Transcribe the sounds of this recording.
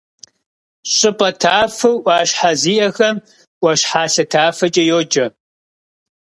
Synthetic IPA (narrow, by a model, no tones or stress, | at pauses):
ɕʼɪpʼɐtʰaːfɨwʔʷɑːɕħaziːʔɐxɐm | ʔʷɐʃħaːɬɐtʰaːfɐt͡ʃʼɐjoːd͡ʒɐ